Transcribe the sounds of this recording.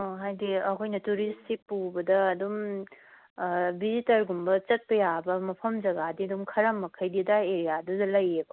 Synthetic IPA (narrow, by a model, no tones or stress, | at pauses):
oɦajdiɐkʰojnɐtuɾistipːubɐdɐːdum | bizitɐɾɡumbɐt͡ʃɐt̚pɐjabɐmɐpʰɐmd͡ʒɐɡadiɐdumkʰɐɾɐmːɐkʰɐjdidaeɾijadudɐlɐjeb